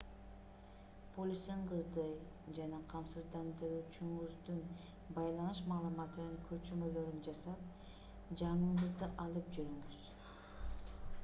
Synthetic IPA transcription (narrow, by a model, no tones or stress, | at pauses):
pʰolʲisiɴqʰəzd̪ɯ | d͡ʒɑnɑqʰɑmsɯzd̪ɑnd̪ɯɾyːt͡ʃyŋuzd̪un | bɑjlˠɑnɯʃmɑːlˠumɑt̪ɯnɯŋkʰøt͡ʃymø̞lø̞ɾynd͡ʒɑsɑp̚ | d͡ʒɑɴɯɴɯzd̪ɯʔɑlˠɯpd͡ʒyɾyŋɡyz̥